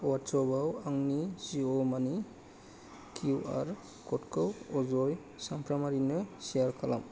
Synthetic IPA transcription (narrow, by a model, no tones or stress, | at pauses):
watsɔbawaŋniziɔmani | kʰuua̰ɾ | kʰɔtkʰɯwɔzɔj | sampʰɾamaɾinɯsijaɾkʰala̰m